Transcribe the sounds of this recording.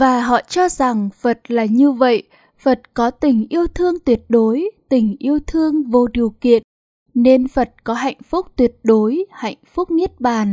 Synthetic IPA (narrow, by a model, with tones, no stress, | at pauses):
vaː˨˩ɦɔ̰˧˨t͡ɕɔ˧za˨˩ŋfə˨˩t̚laː˨˩ɲɨ˧və̰˧˨j | fə˨˩t̚kɔ˨˦t̪ï˨˩ŋ̟ʔi˧əwt̪ʰɨ˧əŋt̪wi˨˩ət̚ɗo˨˦jt̪ï˨˩ŋ̟ʔi˧əwt̪ʰɨ˧əŋvo˧ɗi˨˩əwkḭ˧˨ən | ne˧nfə˨˩t̚kɔ˨˦ɦa̰˧˨jŋ̟fʊ˦˥k͡p̚t̪wi˨˩ət̚ɗo˨˦jha̰˧˨jŋ̟fʊ˦˥k͡p̚ŋi˦˥ət̚ɓaː˨˩n